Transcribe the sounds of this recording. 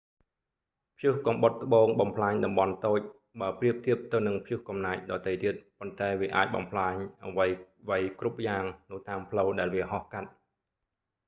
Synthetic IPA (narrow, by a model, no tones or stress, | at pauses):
pʰjuhkɑmɓot̪̚ːə̆ɓoːŋɓɑmpʰlaːɲɗɑmɓɑnt̪oːc̚ | ɓaəpriəp̚t̪iəp̚t̪ɨwnɨŋpʰjuhkɑmnaːc̚ɗɑːt̪əjt̪iət̪̚pont̪aɛʋiəʔa̰ːc̚ɓɑ̰mpʰlaːɲʔaʋəj | ʋəjkrup̚jaːŋnɨwt̪aːmpʰləwɗaɛlʋiəhɑhkat̪̚